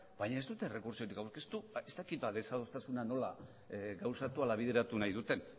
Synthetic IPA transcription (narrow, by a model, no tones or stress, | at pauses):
bajɲae̞zd̪ut̪e̞re̞kuɾsio̞ɾikawɾke̞st̪uest̪akit̪̚baðe̞saðo̞st̪asunano̞la | ɡawsat̪ualaβ̞iðe̞ɾat̪unajðut̪e̞n